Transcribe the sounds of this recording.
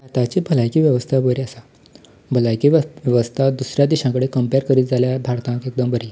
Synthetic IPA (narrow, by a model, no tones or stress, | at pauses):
at̪at͡ɕibʱəlajkiːʋjəʋəst̪ʰabəɾiasa | bʱəlajkiʋjəʋəst̪ʰad̪usɾjad̪iɕãkəɽekəmpeɾkəɾiːt̪̚d͡zaljabʱaɽt̪ãkek̚d̪əmbʱəɾi